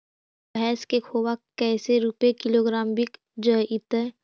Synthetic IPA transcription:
ɦɛːskekʰoːbakɛːseɾupekɪloːɡɾaːmbik | d͡ʒəɪt̪ə

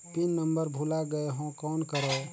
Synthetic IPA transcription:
pinːəmbəɾbʱulaɡəeɦõkɔnkəɾə

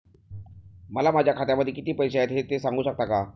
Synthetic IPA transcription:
məlamad͡ʑʱjakʰat̪jaməd̪ʱːjekit̪iːpəjseajet̪ɦet̪esaŋɡuːɕək̚t̪aka

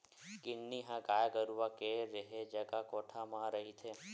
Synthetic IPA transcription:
kɪnːiɦãɡaːjɡəɾuʋakeɾeɦed͡ʒəɡakɔʈʰamãɾəɦit̪ʰe

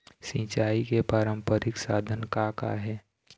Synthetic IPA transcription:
sĩːt͡ʃaːikepaːɾəmpəɾɪksaːd̪ʱənkaka̰ɦɛː

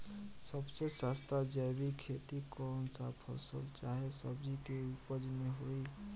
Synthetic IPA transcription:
səbsesast̪ad͡ʒɛjbikʰet̪ikɔnsapʰɔ̰sə̰lt͡ʃaɦesəbd͡ʒikeupəd͡ʒmẽɦoi

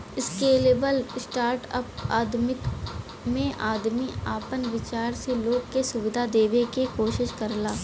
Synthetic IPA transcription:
ɪskeːleːbəlsʈaːɾʈə̰paːd̪mɪk | mẽʔaːd̪miaːpənʋɪt͡ʃaːɾseloːɡ̚kesʊʋɪd̪ʱad̪eːʋekikoːʃɪʃkəɾlaː

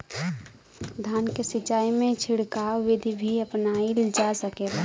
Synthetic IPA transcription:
d̪ʱaːnkesɪt͡ʃaːimẽt͡ʃʰɪɽkaʋɪd̪ʱibʱiəpnaild͡ʒasəkeɾa

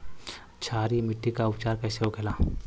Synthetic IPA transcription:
t͡ʃʰaːɾimɪʈːikaʊpt͡ʃaːɾkɛːseɦoɡʱelaː

